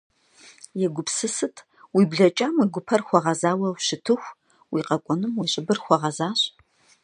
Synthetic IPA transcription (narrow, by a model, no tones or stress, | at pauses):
jɛɡʷʊpsɨsɨtʰ | wiːbɮɐt͡ʃʼaːmiɡʷʊpʰɐrxʷɔʁɐzaːwɐwɕɪtʰɨxʷ | wiːqɐkʷʼɔnɨmwiɕʼɪbɨrxʷɔʁɐzaːɕʼ